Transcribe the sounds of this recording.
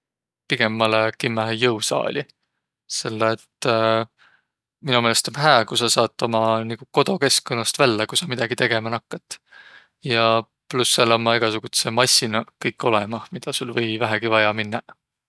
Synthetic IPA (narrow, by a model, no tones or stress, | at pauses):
piɡe̞mːɑlekimːæɦejɤwsɑ̰ːlʲi | se̞lːeːt̪ː | minumelest̪omɦæːkusɑsɑːt̪ˑːo̞mɑnikuko̞d̪o̞ke̞skːonːɑst̪vælːekusɑmid̪̥ɑɡ̥it̪e̞ɡ̥e̞mɑnɑkːɑt̪ːˑ | jɑ | plusːelːomːɑiɡ̥ɑsuɡ̥ut̪semɑsʲinɑkɤjkːˑo̞lemɑmid̪̥ɑsulvɤjvæɦæɡ̥ivɑjɑminːɑ